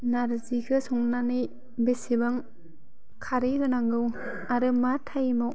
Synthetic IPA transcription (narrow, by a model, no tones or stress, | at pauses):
naɾzikʰɯsɔŋnanɯj | besibaŋ | kʰaɾiɡɯnaŋɡɯw | aɾɯmatʰajmɔw